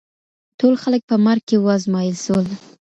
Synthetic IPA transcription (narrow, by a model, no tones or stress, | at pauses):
tolxalək̚pəmaɾɡ̚kewɑzmɑjəlsol